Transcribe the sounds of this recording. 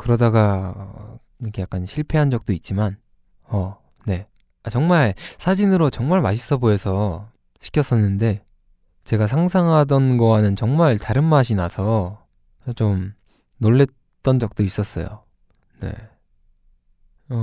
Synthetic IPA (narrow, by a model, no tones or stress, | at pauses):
kɯɾʌdaɡa | kʰejak͈anɕʰiɭpʰe̞ɦand͡ʑʌk̚t͈oit̚t͡ɕ͈iman | ʌ | ne̞ | at͡ɕʌŋmaɭsʰad͡ʑinɯɾot͡ɕʌŋmaɭmaɕʰi̥s͈ʌboesʰʌ | ɕʰi̥k͈ʰjʌs͈ʌnːɯnde̞ | t͡ɕe̞ɡas̬ʰaŋs̬ʰaŋɦadʌnɡʌwanɯnt͡ɕʌŋmaɭtaɾɯnmaɕ̬ʰinasʰʌ | t͡ɕom | noɭːe̞t̚ | t͈ʌnd͡ʑʌk̚t͈ois͈ʌs͈ʌjo̰ | ne̞̰ | ʌ